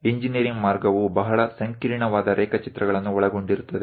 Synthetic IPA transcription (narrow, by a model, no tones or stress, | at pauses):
iɲd͡ʒiniɐɾiŋɡmaːɾɡɐʋubɐɦɐɭɐsɐŋkiliɳɐʋaːd̪ɐɾʔɛːkɐt͡ʃit̪ɾɐɡɐɭɐnːuɔɭɐɡo̞ɳɖiɾut̪ːɐd̪e